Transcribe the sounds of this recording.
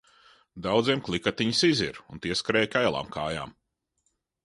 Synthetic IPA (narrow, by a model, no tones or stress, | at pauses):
d̪awd̪ziɛmklˠikat̪iɲisiziɾunt̪iɛskaɾɛːjkajlˠa̰ːmkaːja̰ːm